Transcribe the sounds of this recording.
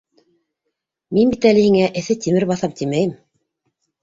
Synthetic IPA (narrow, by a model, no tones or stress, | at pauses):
minbit̪ælɘ̆hiŋæʔɘ̆θɘt̪imɘɾβɑθɑp̚t̪imæjɘm